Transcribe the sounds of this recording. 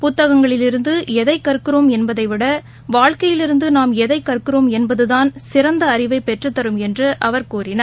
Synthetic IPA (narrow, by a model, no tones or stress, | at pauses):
pʊt̪ːɐɣɐŋɡɐɭɪlɪɾɯnd̪ɯɛðɐɪkːɐrɯkːɯroːmɛnbɐðɐɪʋɪɽɐ | ʋaːɻkɐjɪlɪɾɯnd̪ɯnaːmɛðɐɪkːɐrkɯroːmɛnbɐðɯðaːnsɪɾɐnd̪ɐːɾɪʋɐɪpːɛʈrɯt̪ːɐɾɯmɛndrɯʔɐʋɐɾkuːrɪnɐɾ